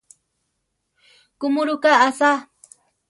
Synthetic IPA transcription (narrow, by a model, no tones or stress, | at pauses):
kʊmʊɾʊkaːsa